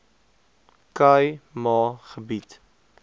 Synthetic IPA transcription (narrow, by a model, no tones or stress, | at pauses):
kɐjmɑːχəbit